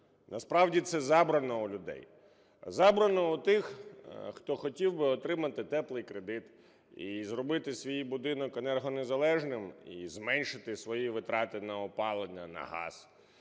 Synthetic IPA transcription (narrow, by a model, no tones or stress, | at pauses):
nʔɐspɾɑwdʲit̪sɛzɑbɾɐnɔulʲʊd̪ɛ̰j | zɑbɾɐnɔut̪ɪxxt̪ɔxɔtʲiwbɪɔt̪ɾɪmɐt̪ɪt̪ɛplˠɪjkɾed̪ɪt̪ | izrɔbɪt̪ɪsʲʋʲijbʊd̪ɪnɔkenɛrɦɔnezɐlˠɛʒnɪmḭzmɛnʲʃɪt̪ɪsʋɔjiʋɪt̪ɾɑt̪ɪnɐɔpɑlˠenʲːɐnɐ̰ɦɑ̰s